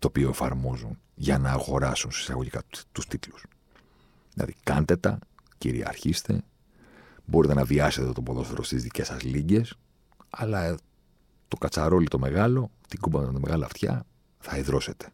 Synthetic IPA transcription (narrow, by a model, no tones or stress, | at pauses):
t̪o̞ːpioe̞fɐɾmo̞zun | ʝɐnɐːɣo̞ɾɐsunsi̥sɐ̰ɣoʝikɐt̪ust̪it̪lu̥s | ðilʔɐ̰ðḭkɐnt̪e̞t̪ɐ | cḭɾḭɐ̰ɾçist̪e̞̰ | bo̞ɾit̪e̞nɐviɐset̪t̪o̞po̞ðo̞seɾost̪izðice̞sɐzliɲɟe̞s | ɐlɐ | t̪o̞kɐt͡sɐɾo̞lit̪o̞me̞ɣɐlo̞t̪iɡubɐmt̪t̪ɐme̞ɣɐlɐft̪çɐ̰ | θɐiðɾo̞se̞t̪e̥